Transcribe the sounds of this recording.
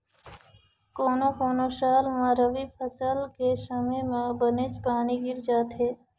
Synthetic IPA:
koːnokoːnoʃaːlmãɾəʋipʰəsəlkesəmẽmãbənet͡ʃpaːniɡɪɾd͡ʒaːt̪ɦeː

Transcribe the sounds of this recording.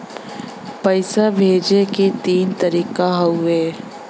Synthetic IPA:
pɐɪsabʱeːd͡ʒekit̪iːnt̪əɾiːkaɦɐʊeː

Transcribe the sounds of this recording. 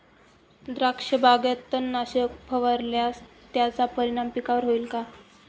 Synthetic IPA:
d̪ɾakʂəbʱaɡet̪ːənːaɕəkpʰəʋəɾljas | t̪jat͡sapəɾiɽ̃ampikaʋəɾɦoiːlka

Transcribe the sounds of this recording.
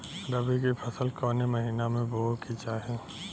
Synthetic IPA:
ɾɐbikepʰɐsəlkɔːnemɐɦiːnamẽboːkʰit͡ʃaɦeː

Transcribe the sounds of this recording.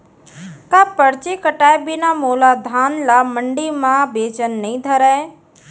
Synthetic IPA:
kapəɽt͡ʃikəʈaːebɪnamoːlad̪ʱaːnlaməɳɖimãbeːt͡ʃənːəɦĩd̪ʱəɾa

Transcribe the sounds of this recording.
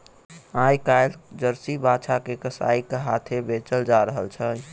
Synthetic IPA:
ãjkajld͡ʒəɾsibat͡ʃʰakekəsa̰ikeɦat̪ʰebet͡ʃəld͡ʒaɾəɦəlt͡ʃʰə

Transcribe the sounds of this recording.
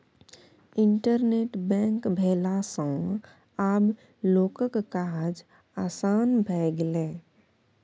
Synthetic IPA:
ɪ̃ɳʈəɾneːʈbɛ̃ːŋkbʱeːlasə̃ | aːb | loːkəkkaɦad͡ʒ | aːsaːnbʱɛːɡlẽː

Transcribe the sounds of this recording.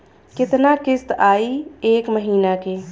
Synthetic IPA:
kɪt̪nakɪst̪aːieːkməɦiːnakeː

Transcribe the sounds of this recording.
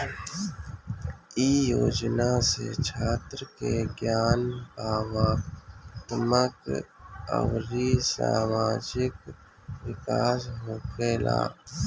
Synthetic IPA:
iːjoːd͡ʒnasḛt͡ʃʰaːt̪ɾəkeɡjaːnbaːʋaːt̪əmək | ə̰wɾisa̰ːmaːd͡ʒɪk | wɪkaːsɦoːpʰeːla̰ː

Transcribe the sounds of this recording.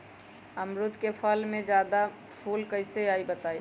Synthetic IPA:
əmɾʊt̪kepʰəlmẽd͡ʒjaːd̪a | pʰuːlkəɪseaːibət̪aːi

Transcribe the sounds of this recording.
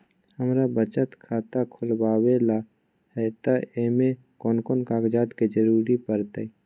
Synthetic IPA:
həmɾabət͡ʃət̪kʰaːt̪akʰʊlbaːwela | hɛt̪aeːme | kɔːnkɔːnkaːkd͡ʒaːt̪ked͡ʒəɾuːɾipəɾt̪e

